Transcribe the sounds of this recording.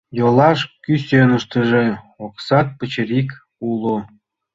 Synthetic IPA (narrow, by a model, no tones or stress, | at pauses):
jolɑʃkysʲønəʃt̪ə̆ʒe | oksɑt̪̚pə̆t͡ɕəɾik | ulu